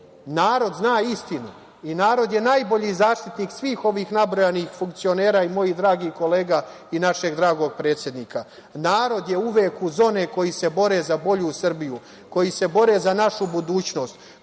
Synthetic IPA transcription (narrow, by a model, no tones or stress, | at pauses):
naːɾo̞d̪znaːist̪inu | inaːɾo̞d̪je̞najbo̞ʎizaːʃt̪it̪niːksʋiːxo̞ʋiːxnabɾo̞janixfuŋkt̪sio̞ne̞ːɾaːimo̞jid̪ɾaːɡiːko̞le̞ːɡa | inaʃeɡd̪ɾaːɡo̞ɡ̚pɾet̪sʲje̞d̪niːkʰa | naːɾo̞d̪je̞uʋeːkuzo̞ːne̞ko̞jise̞bo̞ɾeːzabo̞ʎusr̩biju | ko̞jise̞bo̞ɾe̞zanaʃubud̪uːt͡ɕno̞ːst̪